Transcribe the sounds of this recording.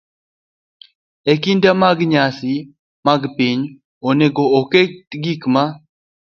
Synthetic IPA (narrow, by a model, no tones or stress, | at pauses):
ekindamaɡɲasi | maɡpiɲ | oneɡookeɡikma